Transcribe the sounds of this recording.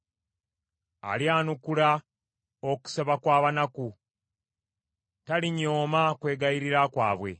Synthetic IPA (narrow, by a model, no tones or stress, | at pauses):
a̰ljaːnukula | o̞ku̥seβakwaːβanaku | taliɲːoːmakwe̞ːɡaiɾiɾakwa̰ːβwe̞̰